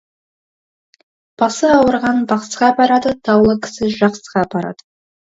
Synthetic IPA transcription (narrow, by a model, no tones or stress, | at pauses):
b̥ɑsəɑwəɾʁɑnbɑqsʁɑbɑɾɑd̪ət̪ʰɑwlˠəkʲʰɪ̥sɪʒɑqsəʁɑbɑɾɑ̰d̪̥ə